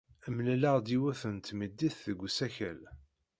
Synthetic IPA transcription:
əmlæləʁd̪iwæθənt̪məd̪ːiθðəɡʷːsæçæ̰l

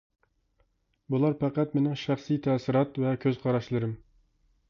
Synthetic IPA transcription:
bulˠɑɾpæqæt̪mɪnɪŋʃæχsɨjt̪ʰɛsɪɾɑt̪vɛkʲʰøz̥qʰɑɾɑʃlˠɨɾɨm

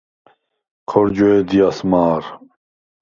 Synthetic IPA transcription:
kʰɔɾd͡ʒɔed̪ijasmaːɾ

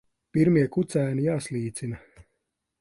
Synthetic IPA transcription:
piɾmiɛkut̪sæːnijaːslʲiːt̪sinɐ

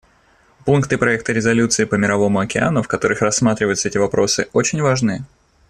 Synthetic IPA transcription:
punkt̪ɨpɾɐɛk̚t̪əɾʲɪzɐlʲut̪sɨɪːpəmʲɪɾɐvo̞mʊɐkʲɪa̰nʊfkɐt̪o̞ɾɨxrɐsːmat̪ɾʲɪvəjʊt̪səɛtʲɪvɐpɾo̞sɨot͡ɕɪnʲvaʐnɨ

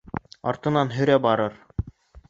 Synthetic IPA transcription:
ɑ̰ɾt̪ɤ̆nɑnɦɵ̆ɾæbɑɾɤɾ

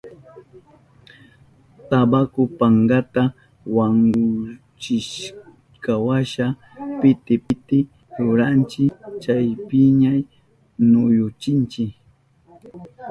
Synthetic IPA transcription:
t̪abakʊpaŋɡat̪a | waŋɡʊ | t͡ʃɪʃ | kawaʃa | pɪt̪ɪpɪt̪ɪ | ɾʊɾant͡ʃɪkt͡ʃajpɪɲaj | nʊjʊt͡ʃɪnt͡ʃɪk

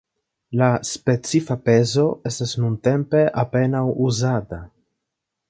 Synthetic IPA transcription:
laspe̞t͡sifape̞zo̞e̞stasnunte̞mpe̞ʔape̞nawuzata

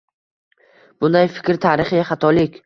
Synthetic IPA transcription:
b̥ʊnd̪ajfɪ̥kʲɾt̪ʰaɾɪχɪχɑt̪ʰɒlɪkʲ

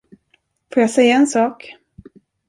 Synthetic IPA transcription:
foːɾjasɛjːaɛnsɑːk

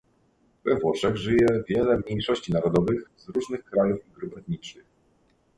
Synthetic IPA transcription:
vɛvwɔʂɛɣʐɘjɛvʲjɛlɛmɲejʂɔɕt͡ɕinaɾɔd̪ɔvɘxzɾuʐnɘxkɾajufiɡɾubɛt̪ɲit͡ʂɘx

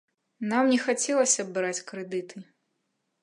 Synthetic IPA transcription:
namnʲɛxat͡sʲɛlˠɐsʲɐbɨɾat͡sʲkɾɛd̪ɨt̪ʰɨ

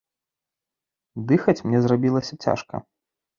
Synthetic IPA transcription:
d̪ɨxɐt͡sʲmnʲɛzrabʲilˠɐsʲɐt͡sʲa̰ʂkɐ̰

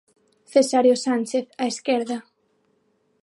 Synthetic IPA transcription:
θesaɾjosanʲt͡ʃeθaeskeɾða

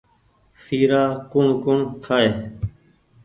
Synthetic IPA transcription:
siːɾaːkũmkʊɳkʰaːeː

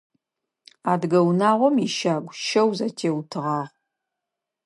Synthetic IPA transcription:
aːdɡɐwnaːʁʷɔmiʃaːɡʷʃɐwzɐtʰeːwtʰɨʁɑːʁ

